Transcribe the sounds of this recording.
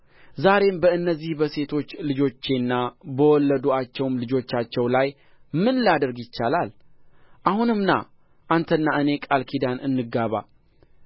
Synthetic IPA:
zaɾe̞mbəɨnːəzːihbəse̞t̪ʰo̞t͡ʃːlɨd͡ʒo̞t͡ʃːe̞nːabəwɔlːəd̪uat͡ʃːɛwmlɨd͡ʒo̞t͡ʃːat͡ʃːɛwlaj | mɨnlijad̪əɾɡjɪt͡ʃːalalʔahunɨmna̰ | ʔant̪ʰənːaʔɨne̞kʼalkʰid̪anɨnːɨɡaβa̰

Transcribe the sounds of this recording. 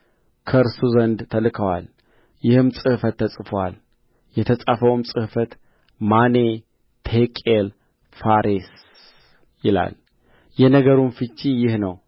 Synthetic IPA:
kʰəɾsuzənd̪t̪ʰəlɨkʰəwa̰l | jɪhɨmsʼɨhfət̪ːəsʼɨfowa̰l | jɛt̪ʰəsʼafəwɨmsʼɨhfət̪ | mane | t̪ʰekʼel | faɾes | jɪla̰l | jɛnəɡəɾunfɨt͡ʃːijɪhnəw

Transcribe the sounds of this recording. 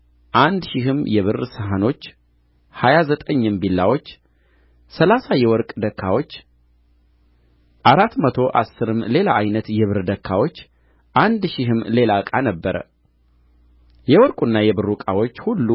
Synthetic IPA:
ʔand̪ʃihɨmjɛβɨrsəɦano̞t͡ʃː | hajazət̪ʼəɲːɨmbilːa̰wo̞t͡ʃː | səlasajɛwɔɾkʼd̪əkʰːawo̞t͡ʃː | ʔaɾat̪mət̪ʰo̞ʔa̰sːɨɾɨmːle̞laʔajnət̪jɛβɨɾd̪əkʰːawo̞t͡ʃː | ʔand̪ʃiɦɨmle̞lakʼanəbːəɾə̰ | jɛwɔɾkʼunːajɛβɨrːukʼawo̞t͡ʃːhulːu

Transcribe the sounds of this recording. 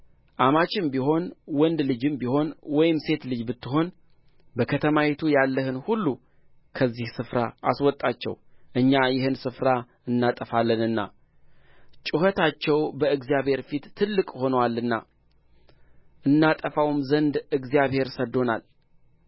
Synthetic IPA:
ʔamat͡ʃʼɪmbiɦo̞nwɔnd̪lɨd͡ʒɨmbiho̞nwɔjɪmse̞t̪lɨd͡ʒbɨt̪ːɨɦo̞n | bəkʰət̪ʰəmawet̪ʰujalːəhɨnhulːu | kʰəzːihsɨfɾa̰ʔaswɔt̪ʼːat͡ʃːɛ̰w | ʔɨɲːajɪhɨnsɨfɾa | ɨnːat̪ʼəfalːənɨnːa̰ | t͡ʃʼuhət̪ʰat͡ʃːɛwbəɨɡzijaβhe̞ɾfit̪ʰːɨlːɨkʼho̞nəwalːɨnːa̰ | ʔɨnːat̪ʼəfawmzənd̪ɨɡzijaβhe̞ɾsəd̪ːo̞na̰l

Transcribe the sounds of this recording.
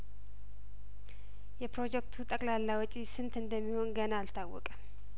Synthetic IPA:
jɛpɾo̞d͡ʒɛkt̪ʰut̪ʼəkʼlalːawɔt͡ʃʼisɨnt̪ɨnd̪əmːiho̞nɡənaːlt̪ʰawːɔ̰kʼə

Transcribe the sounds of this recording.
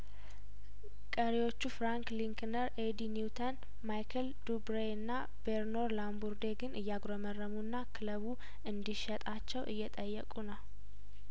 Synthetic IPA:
kʼəɾiwo̞t͡ʃːufɾaŋkliŋknəɾed̪iniwt̪ʰən | majkʰəld̪ubɾeɨnːa | beɾno̞ɾlambuɾd̪eɡɨnʔɨjːaɡɾomərːəmunːakʰɨləβu | ɨnd̪iʃɛt̪ʼat͡ʃːɛwʔɨ̰jːɛt̪ʼəjːɛ̰kʼunəw

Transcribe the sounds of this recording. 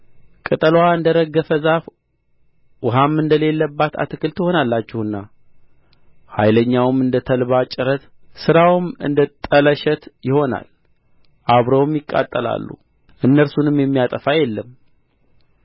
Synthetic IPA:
kʼɨt̪ʼəlwaɨnd̪əɾəɡːəfəzaf | wɔɦamːɨnd̪əle̞lːəbːat̪ʰa̰t̪ʰɨkɨlt̪ʰɨho̞nalːat͡ʃːɪhɨnːa | ha̰jləɲːawmɨnd̪ət̪ʰəlβat͡ʃʼɪɾət̪ | sɨɾawɨmɨ̰nd̪ət̪ʼələʃɛt̪jɪho̞na̰l | ʔaβɾowmjɪkʼːa̰t̪ʼːəla̰lːṵ | ʔɨnːəɾsunɨmjɛmːijat̪ʼəfajɛlːəm

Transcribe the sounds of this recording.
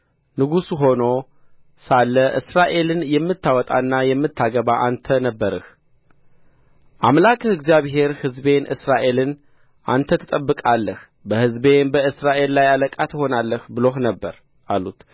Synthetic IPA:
nɨɡusuɦo̞no̞ | salːəʔɨsɾaʔe̞lɨnjɛmːɨt̪ːawɔt̪ʼa̰nːajɛmːɨt̪ʰːaɡəβaʔant̪ʰənəbːəɾɨh | ʔamlakʼɨɡzijaβɦe̞ɾhɨzbe̞nʔɨ̰sɾaʔe̞lɨn | ʔant̪ʰət̪ʰɨt̪ʼəbːɨkʼalːəh | bəhɨzbe̞nbəɨsɾaʔe̞lːajaləkʼat̪ho̞nalːəhbɨlohnəbːəɾ | ʔalut̪

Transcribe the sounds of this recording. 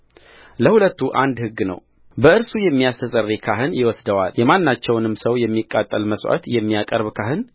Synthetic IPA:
ləhulət̪ːuʔand̪hɨɡːnə̰w | bəɨɾsujɛmːijast̪ʰəsʼərːekʰaɦɨnjɪwɔsd̪əwa̰ljɛmanːat͡ʃːɛwnɨmsəwjɛmːikʼːat̪ʼːəlməswʔa̰t̪jɛmːiakʼəɾβkʰahɨn

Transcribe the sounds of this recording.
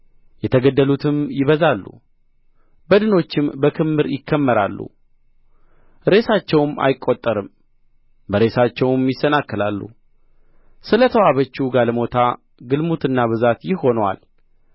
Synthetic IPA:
jɛt̪ʰəɡəd̪ːəlut̪ʰɨmjɪβəzalːṵ | bəd̪ɨno̞t͡ʃːɪmbəkʰɨmːɨɾjɪkːəmːəɾa̰lːṵ | ɾe̞sat͡ʃːɛwma̰jɪkʼːo̞t̪ʼːəɾɨm | bəɾe̞sat͡ʃːɛwmjɪsːənakːɨlalːṵ | sɨlət̪ʰəwaβət͡ʃːuɡalmo̞t̪ʰa | ɡɨlmut̪ɨnːaβɨzat̪jɪho̞nwa̰l

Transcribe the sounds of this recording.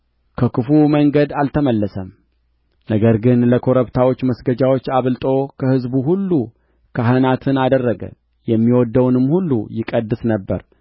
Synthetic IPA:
kʰəkʰɨfuməŋɡəd̪alt̪ʰəməlːəsəm | nəɡəɾɡɨnləkʰo̞ɾəβt̪ʰawo̞t͡ʃːməsɡəd͡ʒawo̞t͡ʃːaβɨlt̪ʼo̞kʰəhɨzbuɦulːu | kʰaɦənat̪ʰɨnad̪ərːəɡə̰l | jɛmːiwɔd̪ːəwnɨmːhulːṵjɪkʼəd̪ːɨsnəbːə̰ɾ

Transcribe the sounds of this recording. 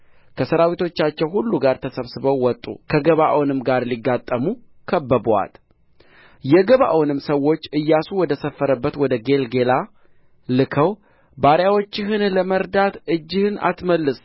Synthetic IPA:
kʰəsəɾawit̪ʰo̞t͡ʃːat͡ʃːɛwhulːuɡaɾt̪ʰəsəβsɨβəwːɔt̪ʼːṵkʰəɡəβaʔwnɨmɡaɾliɡːat̪ʼːəmu | kʰəbːəba̰l | jɛɡəβa̰ʔwnɨmːsəwːo̞t͡ʃːɨjːasuwɔd̪əsəfːəɾəbːət̪wɔd̪əɡe̞lɡe̞la | lɨkʰəw | baɾjawot͡ʃːɪɦɨnləməɾd̪at̪ɨd͡ʒːɪhɨna̰t̪məlːɨs

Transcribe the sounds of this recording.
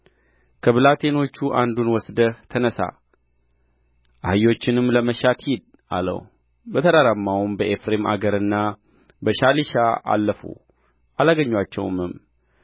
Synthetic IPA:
kʰəβɨlat̪ʰe̞no̞t͡ʃːuʔand̪unwɔsd̪əht̪ʰənəsa̰ | ʔahɨjo̞t͡ʃːɪnɨmːləməʃat̪hid̪̚ | a̰lə̰w | bət̪ʰəd̪aɾamːawumbəʔefɾemʔa̰ɡəɾɨnːa | bəʃaliʃaa̰lːəfṵ | alaɡəɲːwat͡ʃːɛ̰wmɨm

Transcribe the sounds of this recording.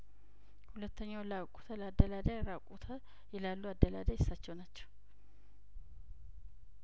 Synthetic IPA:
hulət̪ʰːəɲːawlakʼu̥t̪ʰələad̪ːəlad̪ajɾakʼut̪ʰə | jɛlalːuad̪ːəlad̪ajɪsːat͡ʃːɛwnat͡ʃːɛ̥w

